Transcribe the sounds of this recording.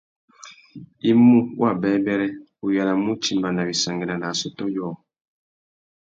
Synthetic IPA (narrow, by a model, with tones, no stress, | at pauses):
i˦mu˦wa˦˨bɛ˦bɛ˦ɾɛ˦ | u˨ja˨na˨mu˦t͡ʃi˨mba˨na˨bi˨sa˨ŋɡɛ˨na˨na˨sɔ˨tɔ˦jɔ˦˨